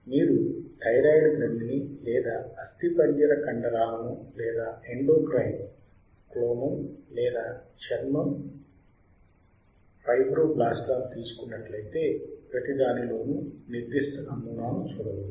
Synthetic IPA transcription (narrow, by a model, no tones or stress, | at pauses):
miːɾuʈʰɐjɾaːjɖɡɾɐnd̪inilɛːd̪aːɐst̪ipɐɲd͡ʒɐɾɐkɐɳɖɐɾaːlɐnulɛːd̪aːeɳɖoːkɾɐjn | kloːmɐmlɛːd̪aːt͡ʃɐɾmɐm | pʰɐjbɾoːblaːsʈaːmut̪iːsu̥kunːɐʈlɐjt̪e̞ːpɾɐt̪id̪aːnilo̞ːnuniɾd̪iʂʈ̪ɐnɐmːunaːnut͡ʃuːɽɐwu